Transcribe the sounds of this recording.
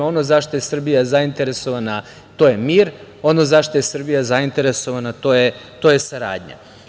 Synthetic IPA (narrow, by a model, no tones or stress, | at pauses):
o̞nozaʃt̪oje̞sr̩bijazaint̪e̞ɾe̞so̞ʋana | t̪o̞je̞miːɾo̞nozaʃt̪oje̞sr̩bijazaint̪e̞ɾe̞so̞ʋanat̪o̞ːjet̪o̞ːje̞saɾa̰ːd̪ɲa̰